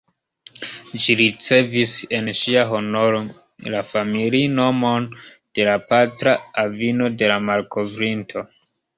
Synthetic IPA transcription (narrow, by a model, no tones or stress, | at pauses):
d͡ʒiɾit͡se̞vise̞nʃiaɦo̞no̞ɾo | lafamilino̞mo̞n | d̥e̞lapatɾaavino̞de̞lamalkʰo̞vɾintʰo̞